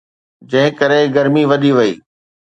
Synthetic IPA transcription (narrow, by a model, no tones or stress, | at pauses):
d͡ʑɐ̃ɦɪ̃kɐɾeɡɐɾmiʋɐɗiʋɐḭː